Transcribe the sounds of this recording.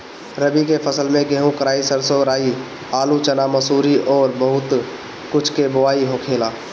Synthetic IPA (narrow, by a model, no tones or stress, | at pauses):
ɾəbikepʰəsəlmẽɡeɦũkəɾaːisəɾsoɾaːi | aːlut͡ʃənaməsuːɾiʔɔːɾbəɦʊt̪ | kʊt͡ʃʰkeboʋaːiɦokʰeːlaː